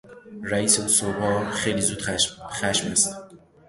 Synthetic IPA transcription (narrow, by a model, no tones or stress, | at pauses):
ɾæiːseusobɒːxe̞jliːzuːd̪̥xæʃmæ̰st̪